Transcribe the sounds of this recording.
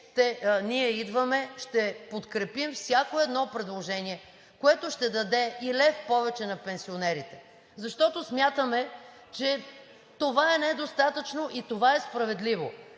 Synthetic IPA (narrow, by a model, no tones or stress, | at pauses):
t̪ɛniɛid̪vəmɛʃt̪ɛpot̪kɾɛpimfsʲjakoɛd̪nɔpɾɛd̪lˠoʒɛniɛ | koɛt̪oʃt̪ɛd̪ɐd̪ɛilɛfpɔvɛt͡ʃɛnɐpɛnsionɛɾit̪ɛ̥ | zɐʃt̪ɔt̪osmʲjat̪əmɛ | t͡ʃɛ | t̪ovaɛnɛd̪ost̪at̪ət͡ʃnoʔit̪ovaɛspɾɐvɛd̪livo̰